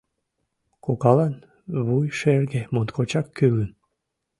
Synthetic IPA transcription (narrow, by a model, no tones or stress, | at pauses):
kokɑlɑn | βujʃerɡemont̪kʰot͡ɕɑkːylən